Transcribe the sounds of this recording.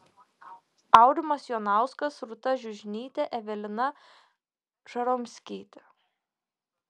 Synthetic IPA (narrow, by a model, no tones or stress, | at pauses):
ɑˑʊɾʲɪmɐsjoːnɑˑʊskɐsɾʊt̪ɐʒʲʊʒʲnʲiːt̪ʲɛʔɛʋʲɛlʲɪnɐ | ʒ̥ɐɾomʲsʲkʲiːt̪ʲɛ̥